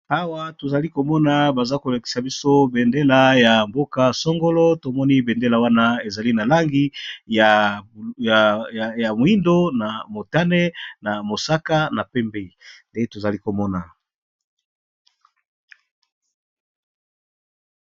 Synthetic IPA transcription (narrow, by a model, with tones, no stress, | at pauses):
a˦wa˦to˨za˨li˦ko˨mɔ˦na˨ba˨za˦ko˨la˨ki̥˨sa˨bi˦so˦be˨nde˦la˨ja˨mbo˦ka˦sɔ˦ŋɡo˦lɔ˦to˨mɔ˦ni˦be˨nde˦la˨wa˦na˦e˨za˨li˦na˨la˦ŋɡi˦ja˨ | ja˨mo˨i˦ndo˦na˨mo˨ta˦ne˦na˨mo˨sa˦ka˦na˨pɛ˦mbe˦i˨nde˦to˨za˨li˦ko˨mɔ˦na˨